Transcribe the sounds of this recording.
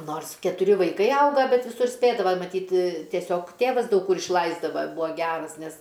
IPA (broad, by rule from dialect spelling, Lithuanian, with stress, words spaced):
ˈnoːrs kʲɛtʊˈrʲɪ ʋɐɪˈkɐɪ ˈɐʊɡɐ ˈbʲɛt ʋʲɪˈsʊr ˈsʲpʲeːdɐʋɐ mɐˈtʲiːt tʲiɛˈsʲoːk ˈtʲeːʋɐs dɐʊk ˈkʊr ɪʃˈlˠɐɪzdɐʋɐ ˈbuɔ ˈɡʲæːrɐs ˈnʲɛs